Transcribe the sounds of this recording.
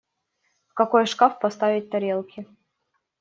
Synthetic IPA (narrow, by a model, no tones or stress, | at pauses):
fkɐkojʂkafpɐst̪avʲɪt̚ʲt̪ɐɾʲelˠkʲʰɪ